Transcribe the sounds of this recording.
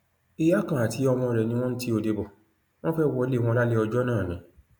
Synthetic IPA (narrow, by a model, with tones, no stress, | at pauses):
i˧ja˦kã˨a˨tʰi˨˦ɔ˧w̃ɔ̃˧ɾɛ˨nĩ˧w̃ɔ̃˦n̩˦ti˦o˧˨de˧bɔ˨ | w̃ɔ̃˦fɛ˦wɔ˧˦le˦˨w̃ɔ̃˧la˦le˦ɔ˧d͡ʒɔ˦nãː˦˨nĩ˨˦